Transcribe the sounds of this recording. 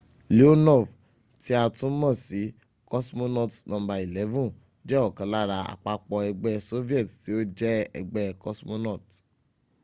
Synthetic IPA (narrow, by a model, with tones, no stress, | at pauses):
li˦o˦nɔ˦˨v | ti˦a˧tũ˦mɔ̃˦˨si˨˦ | kɔ˦smo˧nɔ˦˨tnɔ̃˧˦ba˧i˨lɛ˨˦vũ˦˨ | d͡ʒɛ˦ɔ˦˨kã˨˦la˦˨ɾa˧a̰˨k͡pa˧k͡pɔ˧ɛ˧ɡ͡bɛ˧so˦vi˦ɛ˦˨tti˨˦o˦d͡ʒɛ˦ɛ̰˧ɡ͡bɛ˧kɔ˧˦smo˧nɔ˦˨t